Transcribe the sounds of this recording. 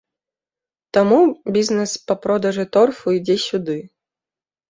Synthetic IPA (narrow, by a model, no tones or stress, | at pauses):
t̪ɐmubʲiznɛspɐpɾɔd̪ɐʐɨt̪ɔrfujd͡zʲɛsʲud̪ɪ